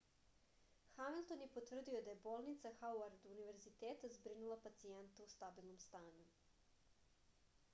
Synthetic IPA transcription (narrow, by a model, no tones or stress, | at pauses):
xamilˠt̪o̞njepot̪ʋr̩d̪iod̪aje̞boːlˠnit̪saxauaɾd̪uniʋe̞ɾzit̪eːt̪azbɾinulˠapat̪sient̪eust̪abilˠno̞mst̪aːɲu